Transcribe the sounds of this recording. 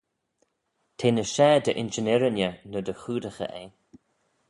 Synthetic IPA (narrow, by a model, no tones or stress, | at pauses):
t̪ʰeːnəʃɛːd̪əʔɪnd͡ʒɪnɪɾɪnjənəd̪əxuːd̪əxə̰ʔe